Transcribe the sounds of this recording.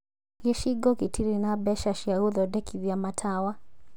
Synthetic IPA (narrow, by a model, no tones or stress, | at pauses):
kɛʃiɡɔkitʰiɾinabɛʃaʃiaɣuðɔdɛkʰiðiamatʰawa